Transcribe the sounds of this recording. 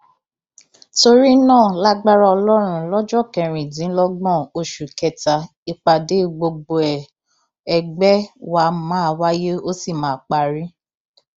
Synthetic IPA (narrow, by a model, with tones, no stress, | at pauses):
to˧ɾi˦nãː˦˨la˦ɡ͡ba˦ɾa˦ɔ˧lɔ˦ɾ̃ũ˧˦lɔ˦d͡ʒɔ˦˨kɛ˧ɾ̃ĩ˨dĩ˨˦lɔ˦ɡ͡bɔ̃˦˨o˧ʃu˨kɛ˧ta˧ | i˧k͡pa˨de˨˦˨ɡ͡bo˧ɡ͡bo˨ɛ˨ | ɛ˨ɡ͡bɛ˦wa˧˦mãː˦˧wa˦je˦o˦si˦˨mã˨˦˨k͡pa˧˨ɾi˦